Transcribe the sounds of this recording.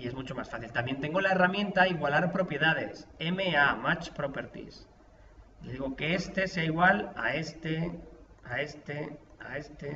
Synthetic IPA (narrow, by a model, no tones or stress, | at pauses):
ie̞zmũt͡ʃo̞ma̰sfaθilt̪ambjent̪e̞ŋɡo̞laeramjẽ̞nt̪aiɣwalaɾpɾo̞pje̞ðaðe̞seme̞amat͡ʃpɾopeɾt̪ḭs | leðiɣo̞ke̞est̪e̞seaiɣwala̰e̞st̪eae̞st̪ea̰e̞st̪e